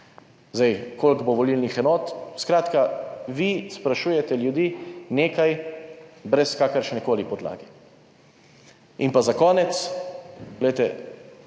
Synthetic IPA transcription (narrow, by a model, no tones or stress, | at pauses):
zd̪ajkoːlɡboʋɔlilnixɛnoːt̪skɾaːt̪kaʋispɾaʃuːjɛt̪ɛljud̪iːneːkaj | bɾɛskaːkəɾʃnɛkoːlipɔd̪la̰ːɡɛ | inpazakɔːnɛt̪s | ɡ̥lɛjt̪ɛ̰